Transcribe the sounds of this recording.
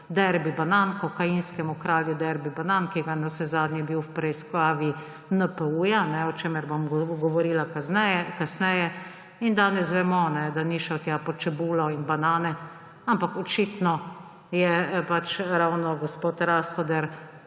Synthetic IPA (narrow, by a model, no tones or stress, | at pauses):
d̪ɛɾbibanankɔkajinskɛmɔkɾaːljud̪ɛɾbibanankiɡanasɛzaːd̪nʲjɛbiwwpɾɛjskaːʋi | nəpəuːjanɛɔt͡ʃeːmɛɾbomɡɔʋɔɾiːlaɛkasnɛjɛ | ind̪aːnɛsʋɛmɔnɛd̪aniʃɛt̪japɔt͡ʃɛbuːlɔinbanaːnɛ | ampakɔt͡ʃiːt̪nɔ | jɛpat͡ʃɾawnɔɡɔspoːt̪ɾast̪ɔd̪ɛɾ